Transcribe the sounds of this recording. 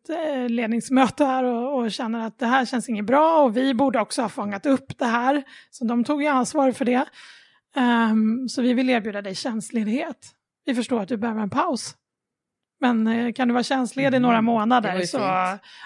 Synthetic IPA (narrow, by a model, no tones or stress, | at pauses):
t̪leːd̪nɪŋsmøːt̪əhæːɾɔːɕɛnːəɾat̪̚d̪ɛɦæːɕɛnsɪŋːəbɾɑːɔvɪbuːɖəɔksɔhɑfɔŋːat̪ɵpːd̪ɛɦæːɾsɔd̪ɔmt̪ʰuːɡjəansvɑːɾfœɖɛ | sɔvɪvɪleːɾbjʉ̟ːd̪ad̪ɛjɕɛnsleːd̪ɪheːt̪ | vɪfœʂʈoːɾat̪̚d̪ɵbɛhøːvəɾɛnpʰaʊs | mɛnkʰand̪ɵvɑːɾaɕɛnsleːd̪ɪnoːɾamoːnad̪əɾsɔ